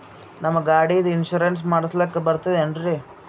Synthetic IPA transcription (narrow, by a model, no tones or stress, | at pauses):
nɐmːɐɡaːɽid̪uinʃuɾens̬maːɽislɐkːebɐɾt̪ɐðeɐnɖɾi